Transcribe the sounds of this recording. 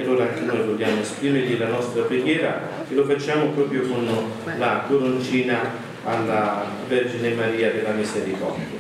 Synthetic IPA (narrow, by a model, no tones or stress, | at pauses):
alːoːɾaaŋk̟enoːjvoʎːaːmoespɾiːmeɾʎilanɔst̪ɾapɾeɡjɛːɾa | elofat͡ʃːaːmʊpɾɔːpɾjokon | lakoɾont͡ʃiːnaː | lːa | vɛrd͡ʒinemaɾiːad̪elamiseɾikɔrd̪jaa